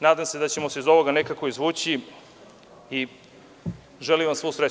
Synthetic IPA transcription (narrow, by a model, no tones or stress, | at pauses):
naːd̪amse̞d̪at͡ɕe̞mo̞seizo̞ʋo̞ɡane̞kako̞izʋuːt͡ɕi | i | ʒeliʋamsʋosɾe